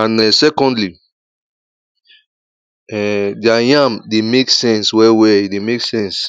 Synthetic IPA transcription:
ãnɛsɛkɔ̃ndli | ɛdjajãmdemeksɛ̃nswɛwɛidemeksɛ̃ns

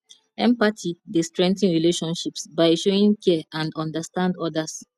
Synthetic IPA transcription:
ɛ̃mpatʰidestɹɛ̃ŋtĩnɹileʃɔ̃nʃipsbaɪʃoɹĩŋkʰɛãndɔ̃ndastãndɔdas

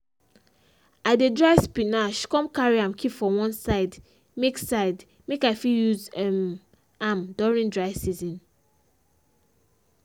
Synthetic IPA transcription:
adedɹaɪspinaʃkɔ̃mkaɹiãmkʰipfɔwɔ̃nsaɪd | meksaɪd | mekaɪfiljuzɛm | amdɔɹĩndɹaɪsizɔ̃n

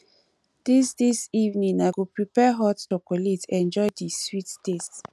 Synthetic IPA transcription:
d̥isdisivnĩŋaɪɡupɹipɛɦɔtokolitɛ̃nd͡ʒɔjdiswittest

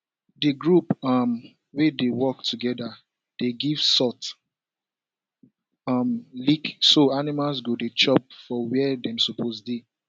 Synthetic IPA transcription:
dəɡɹupʌm | wedewɔk̚tʰuɡɛda | d̥eɡiv̥sɔt | ʌmliksoanimalsɡodet͡ʃɔp̚fɔwɛdɛ̃msɔpʰosde

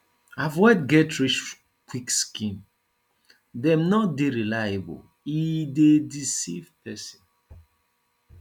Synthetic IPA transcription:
avɔtɡɛtɹit͡ʃ | kwikskĩn | dɛ̃mnɔt̚deɹilajebɔ̰l | idedisivpʰɛsĩn

